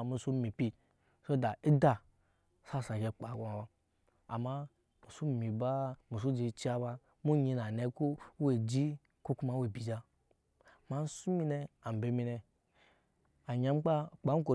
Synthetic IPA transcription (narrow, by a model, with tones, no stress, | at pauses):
mu˨su˦mi˨pi˦ | so˦da˨i˦da˨ | sa˦˨sa˨ke˨k͡pa˨ku˦a˨ba˦ | a̰˨ma˦ | mu˨su˦˨mi˨ba˦mu˨s̬u˦d͡ʒi˧t͡ʃi˦a˦ba˧ | mu˦ɲi˧na˨ne˨˦ko˦we˨d͡ʒi˦ | ko˦ku˦ma˦we˨bi˨d͡ʒa˦ | ma˨n̩˦su˦mi˦ne˨a˨m˨be˨˦mi˧˦ne˨ | a˨ɲa˦m˦k͡pa˦k͡pa˨˦ko˨